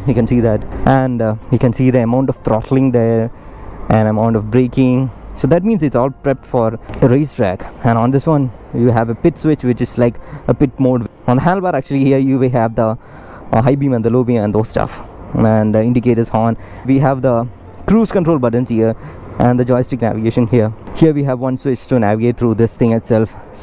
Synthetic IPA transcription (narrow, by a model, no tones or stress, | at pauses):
jikɛ̃nsiːd̪æʈʔɛ̃nʋiːkɛ̃nsiːd̪iəmãʊ̃ɳʈɔʋt̪ɾɔʈʰl̩ɪ̃ŋd̪eɾ | ʔæ̃nəmãʊ̃ɳʈɔʋbɾeːkɪ̃ŋsoːd̪æʈ̚mĩːnzɪʈsɔːlpɾɛp̚ʈfɔːɾɾeɪsʈɾæ̰kɛ̃nə̃nd̪ɪsʋʌ̃n | juɦæʋəpɪʈswɪt͡ʃʋɪt͡ʃɪz̥laɪkəpɪʈ̚moːɖɔ̃nd̪əɦæ̃nlbaːɾæk̚t͡ʃʉəlihiəɾjuːʋeɦæʋd̪ə | ɦaɪbĩːmɛ̃nd̪əloːbĩmɛ̃nd̪oːz̥sʈʌ̰fɛ̃nɖɪ̃ɳɖɪkeːʈəz̥hɔ̃ːn | ʋiɦæʋd̪ə | kɾuːz̥kə̃ɳʈɾoːlbʌʈə̃n̩zhiəɾ | ʔɛ̃nd̪əd͡ʒɔɪsʈɪknæ̰ʋɪɡeːʃə̃nhiəɾhiəɾʋiːɦæʋʋʌ̃nswɪt͡ʃʈunæʋɪɡeːʈ̚t̪ʰɾuːd̪ɪst̪ʰɪ̃ŋɪʈsɛlf